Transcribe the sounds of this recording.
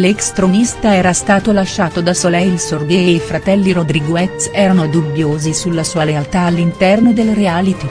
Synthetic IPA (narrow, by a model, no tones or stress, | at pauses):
lekst̪ɾonist̪aɛːɾast̪aːt̪olaʃːaːt̪od̪asolɛjilsord̪eːifɾat̪ɛlːiɾod̪ɾiɡoɛt̪sɛːɾanod̪ubjoːzisulːasuːalealt̪aːlːint̪ɛrnod̪elɾeaːlit̪i